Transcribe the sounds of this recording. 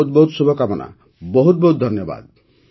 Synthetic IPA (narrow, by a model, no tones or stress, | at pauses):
ut̪̚bɔɦut̪subʱɔkamɔna̰ | bɔɦut̪̚bɔɦut̪̚d̪ʱɔnjɔba̰d̪̚